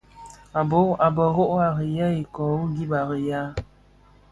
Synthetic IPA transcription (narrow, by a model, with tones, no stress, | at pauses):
a˨bo˨˦a˨bə˨ɦo˦ʔa˨ɣə˨ja˦i˨kɔ˨u˦ɡi˦ba˨ɣə˨ja˦